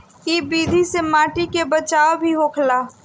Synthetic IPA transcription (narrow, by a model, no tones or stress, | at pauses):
iːbiːd̪ʱisemaːʈikebət͡ʃaːobʱiɦoːkʰlaː